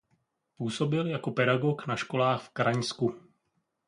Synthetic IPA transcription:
puːso̞bɪljako̞pɛɾaɡo̞knaʃko̞laːxfkɾaɲsku

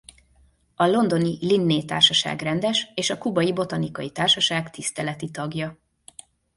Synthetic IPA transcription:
ɒlo̞nd̪o̞nilinːeːt̪aːrʃɒʃa̰ːɡrɛnd̪ɛʃeːʃɒkubɒjibo̞t̪ɒnikɒjit̪aːrʃɒʃaːkt̪ist̪ɛlɛt̪it̪ɒɡjɒ

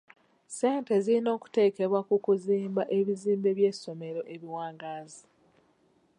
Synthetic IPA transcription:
se̞ːnte̞zilino̞ːku̥te̞ːke̞βwakukuziːmbaʔe̞βiziːmbe̞βje̞so̞me̞ɾo̞ʔe̞βiwaːŋɡaːzi

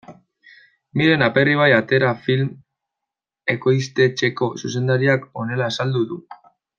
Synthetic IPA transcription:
miɾe̞nape̞riβ̞ajat̪e̞ɾafilm | e̞ko̞jst̪e̞t͡ʃe̞ko̞suse̞nd̪aɾiako̞ne̞laːsald̪uðu

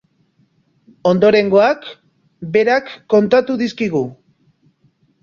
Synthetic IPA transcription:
o̞nd̪o̞ɾe̞ŋɡo̞ak | be̞ɾakːo̞nt̪at̪uðiskiɣ̞u

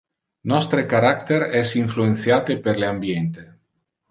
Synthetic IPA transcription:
nɔst̪ɾekaɾak̚t̪eɾɛsiɱfluenθjat̪epeɾleambjent̪e

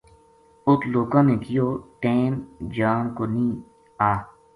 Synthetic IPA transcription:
ʊt̪loːkãːnẽːkijoːʈẽːnd͡ʒaːnkonĩː | aː

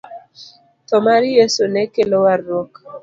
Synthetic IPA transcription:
t̪ɔmaɾjesonɛkelowarːɔk

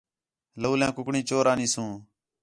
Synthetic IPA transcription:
loːlɛ̃ːkʊkɳĩːt͡ʃoːɾãːnĩːsũː

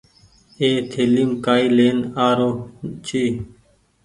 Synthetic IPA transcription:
eːt̪ʰeːlimkaːiːleːnaːɾoːt͡ʃiː

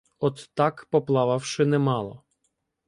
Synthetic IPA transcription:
ɔt̪ːakpɔplˠavawʂɪnɛmalˠɔ̰

